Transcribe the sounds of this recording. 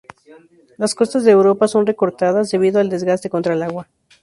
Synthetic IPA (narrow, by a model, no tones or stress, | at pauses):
lasko̞st̪azðeːwɾo̞paso̞nre̞ko̞ɾt̪aðazd̪e̞β̞iðoald̪e̞zɣast̪e̞ko̞nt̪ɾaelaɣwa